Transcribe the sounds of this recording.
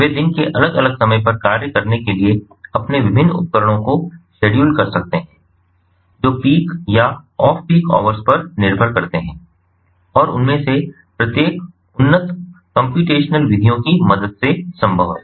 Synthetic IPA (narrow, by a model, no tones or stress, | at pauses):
ʋeːd̪ɪnkeʔɐləɡɐləɡsɐməjpɐɾkaːɾjəkɐɾnekelie | ɐpneʋɪbʱɪnːʊ̰t̪̚kəɾə̃õkoʃeːɖjuːlkɐɾsɐk̚t̪eɦɛ̃ː | d͡ʒoːpiːkjaɔːfpiːkɔ̰ːʋəɾspɐɾnɪɾbʱəɾkɐɾt̪eɦɛ̃ː | ɔːɾʊ̰nmẽse | pɾɐt̪jeːk | ʊnːət̪kə̃mpjuːʈeːʃnəlʋɪd̪ʱijõkimɐd̪əd̪sesɐ̃mbʱəʋɛ